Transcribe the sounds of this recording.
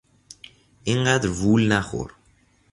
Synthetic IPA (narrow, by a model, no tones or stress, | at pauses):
iŋɡad̪vulnaxo̰ɾ